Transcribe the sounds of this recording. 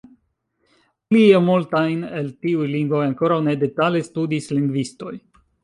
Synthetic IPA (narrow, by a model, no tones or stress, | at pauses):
liemultajne̞ltiujliŋɡvo̞jaŋko̞ɾawne̞de̞talestudisliŋɡvisto̞j